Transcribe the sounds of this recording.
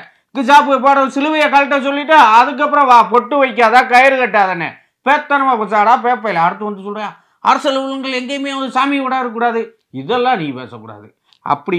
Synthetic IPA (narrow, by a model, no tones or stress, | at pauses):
kːɯsaːpɯɐp̬aːɽɐ̃sɪlɯʋɐjɐkaːlʈ̬ːɐsɔlːɪʈːaːɐðɯk̬ːɐpːɯɾõːʋãːp̬ɔʈːɯʋɐɪk̬ːaːðaːkɐjɐɾɯkɐʈːaːðɐnːɐ̰ | peːt̪ːɐnɐmaːkɐsaːɽaːpeːp̬ːɐjlɐɐɾɯt̪ːɯ̃ʋɐnd̪ɯsɔlɾɯ̃aː | ɐ̰ɾɐsɐlʋʊlɯŋɡɐɭɛŋɡɐmeːʋɐnd̪ɯsaːmɪʋɐɽaːɪɾɯkːuːɽaːðɯ | ɪðɛlːãːniːpḛːsɐkːuːɽa̰ːðɯ̰ | ɐ̰pːɐɽɪ